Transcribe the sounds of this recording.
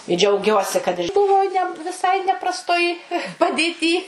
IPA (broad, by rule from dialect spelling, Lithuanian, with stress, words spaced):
ɪ d͡ʒʲɛʊˈɡʲuɔsʲɪ kɐt ˈbʊʋoː ˈnʲɛ ʋʲɪˈsɐɪ nʲɛprɐsˈtoːj pɐdʲeːˈtʲiː